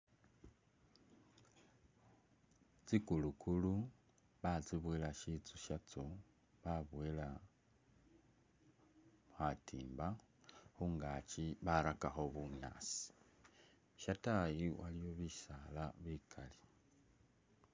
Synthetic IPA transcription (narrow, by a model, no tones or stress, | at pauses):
t͡sikulukʰulu | βat͡siβwelaʃit͡suʃat͡so | βaβwela | xatʰḭːmba | xuŋɡat͡ʃiβaɾakaxo̞βuna̰si̥ | ʃatajiwʔalijo̞βiʃalaβikʰali